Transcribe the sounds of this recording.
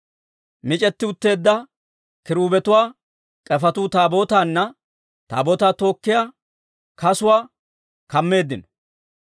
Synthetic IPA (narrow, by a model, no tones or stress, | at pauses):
mɪt͡ʃʼɛt̪ːɪʊt̪ːe̞ːd̪ːɐ | kɪɾuːbɛt̪ʊwaː | kʼɛfɐt̪ʊt̪aːbo̞ːt̪aːnːɐ | t̪a̰ːboːt̪aːt̪o̞ːkːɪjaː | kɐsʊwaː | kɐmːe̞ːd̪ːɪnɔ